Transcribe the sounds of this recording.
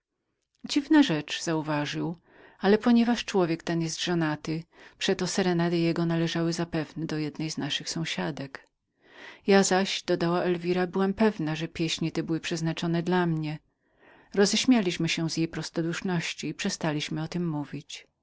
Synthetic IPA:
d͡ʑivnaʐɛt͡ʂz̥auvaʐɨw | alɛpɔɲɛvaʂt͡ʂwɔvʲjɛkt̪ɛnjɛst̪d̪ʐɔnat̪ɘpʂɛt̪ɔsɛɾɛnad̪ɘjɛɡɔnalɛʐawɘzapɛvnɛd̪ɔjɛd̪nɛjznaʂɘxsɔ̃w̃ɕad̪ɛk | jazaɕd̪̥ɔd̪awaʔɛlvʲiɾabɘwampɛvnaʐɛpʲjɛɕɲɛt̪ɛbɘwɘpʂɛznat͡ʂɔnɛd̪lamɲɛ | ɾɔzɛɕmʲjalʲiɕmɘɕɛ̃zjejpɾɔst̪ɔd̪uʂnɔɕt͡ɕiːpʂɛst̪alʲiɕmɘɔt̪ɘmːuvʲit͡ɕ

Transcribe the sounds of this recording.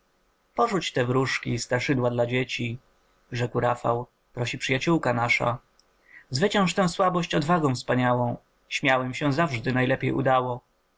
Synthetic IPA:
pɔʐut͡ɕt̪ɛvɾuʂkʲist̪ɾaʂɘd̪wad̪lad͡ʑet͡ɕi | ʐɛkwɾafa̰w | pɾɔɕipʂɘjat͡ɕuwkanaʂa̰ | zvɘt͡ɕɛ̃ʂt̪ɛ̃w̃swabɔɕt͡ɕɔd̪vaɡɔ̃w̃fspaɲawɔ̃w̃ | ɕmʲjawɛmɕɛ̃zavʐd̪ɘnajlɛpʲjḛjṵd̪awɔ

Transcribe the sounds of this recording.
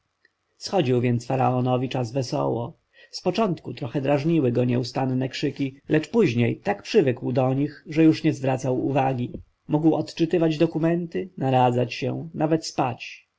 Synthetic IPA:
sxɔd͡ʑiwvʲjɛnt̪sfaɾaɔnɔvʲit͡ʂazvɛsɔ̰wɔ | spɔt͡ʂɔnt̪kut̪ɾɔxɛd̪ɾaʐɲiwɘɡɔɲɛust̪annɛkʂɘkʲilɛt͡ʂpuʑɲejt̪akpʂɘvɘkwd̪ɔɲixʐɛjuʂɲɛzvɾat̪sawṵvaɡʲi | muɡwɔt̪t͡ʂɘt̪ɘvad͡ʑd̪ɔkumɛnt̪ɘnaɾad̪zat͡ɕɕɛ̰navɛt̪spat͡ɕ

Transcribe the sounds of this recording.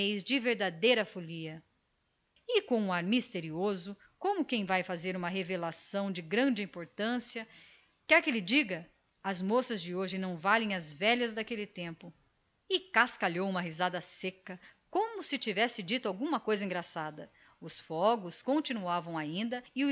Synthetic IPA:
ejzd͡ʒɪveɾd̪ad̪ejɾɐfoliɐ | ɪkõw̃ũaɾmist̪eɾiozʊ | kõmʊkẽj̃vajfazeɾũmɐɦevelasɐ̃w̃d͡ʒɪɡɾɐ̃d͡ʒɪĩmpoɾt̪ɐ̃siɐ | kɛɾkelɪd͡ʒiɡɐ | ɐzmosɐzd͡ʒɪoʒɪnɐ̃w̃valẽj̃ɐzvɛʎɐzd̪akelɪt̪ẽmpʊ | ɪkaskaʎowũmɐɦizad̪ɐsekɐkõmʊsɪt͡ʃivɛsɪd͡ʒit̪ʊawɡũmɐkojzɐĩŋɡɾasad̪ɐ | ʊsfɔɡʊskõnt͡ʃinuavɐ̃w̃aĩnd̪ɐɪʊ

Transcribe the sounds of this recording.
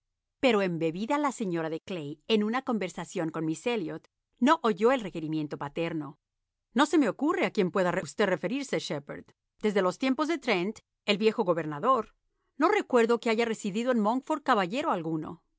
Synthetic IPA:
pe̞ɾo̞e̞mbe̞βiðalase̞ɲo̞ɾaðeklejenunako̞mbe̞ɾsasjo̞ŋko̞nmiseljot̪ | no̞ʔoʝo̞elre̞ke̞ɾimje̞nt̪o̞pat̪e̞ɾno̞ | no̞se̞me̞o̞kure̞akje̞mpwe̞ðareust̪e̞ðre̞fe̞ɾiɾseʃepḛɾd̪ | d̪e̞zðe̞lo̞st̪je̞mpo̞zðet̪ɾent̪ | e̞lβje̞xo̞ɣo̞βe̞ɾnaðo̞ɾ | no̞re̞kwe̞ɾðo̞keaʝare̞siðiðo̞enmoŋfoɾ̚kaβaʝe̞ɾo̞alɣuno̞̰

